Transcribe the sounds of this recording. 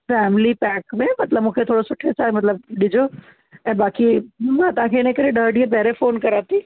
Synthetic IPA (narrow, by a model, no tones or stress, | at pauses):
fɛːmɪlipɛːkmẽmɐt̪ləbmũːkʰet̪ʰoːɽosʊʈʰːesaːimɐt̪ləb̚ɗɪd͡ʑo | ɛ̃ːbaːkimãːt̪ɐãkʰeɪnə̃kɐɾeɗəːɾɖiẽp̬ɐɦɾefoːnkɐɾaːt̪iː